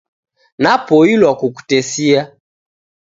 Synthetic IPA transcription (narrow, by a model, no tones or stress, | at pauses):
napɔilwakuku̥tɛsia